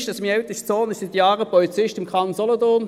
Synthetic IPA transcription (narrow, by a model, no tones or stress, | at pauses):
ʃdɑsɪmiɛʊt̪əst͡soːnɪsɪt̪jɑːʁəpɔlit͡sɪʃtɪmkʰʁɑnzɔlɔt̪ʊn